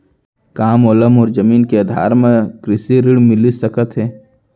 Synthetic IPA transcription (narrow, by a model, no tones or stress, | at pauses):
kaːmɔːləmɔːɾd͡ʒɐmiːnkeɐd̪ʱa̰ːɾmẽkɾɪsiɾɪɽmɪlisɐkət̪ɦɛː